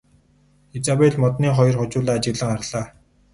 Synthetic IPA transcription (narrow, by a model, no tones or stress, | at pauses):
et͡sapeɮmɔt̪niːχɔjɞ̆rχʊt͡ɕʊːɮaːt͡ɕɪ̆ɣɮə̆ŋarɮaː